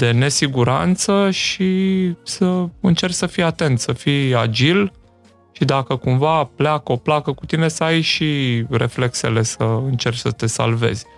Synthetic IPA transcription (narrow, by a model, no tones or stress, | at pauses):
d̪e̞ne̞siɡuɾa̰nt̪səʃisəɨnt͡ʃe̞ɾʲsəfijat̪e̞nt̪səfijad͡ʒil | ʃid̪akəkumvapleakəoplakəkut̪ine̞səajʃire̞fle̞kse̞̰le̞səɨnt͡ʃe̞rt͡ʃʲsət̪e̞sa̰lve̞̰z̥ʲ